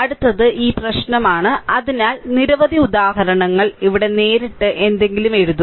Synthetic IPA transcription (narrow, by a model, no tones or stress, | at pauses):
ɐɽut̪ːɐðɨʔiːprɐɕnɐmaːɳɨɐðinaːlniɾɐʋɐðʱiud̪aːɦɐɾɐɳɐŋːɐɭiʋiɽe̞ne̞ːɾiʈːɨʔe̞nd̪e̞ŋɡilume̞ɻuðu